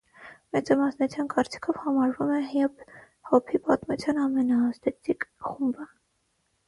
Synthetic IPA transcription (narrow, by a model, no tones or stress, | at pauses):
mɛt͡sɑmɑsnut͡sʰjɑnkɑɾt͡si̥kʰɔvhɑmɑɾvumɛɦjɛp | hɔpʰipɑt̪mut͡sʰjɑnɑmɛnɑːst̪ɛt͡sʰikʰχumbə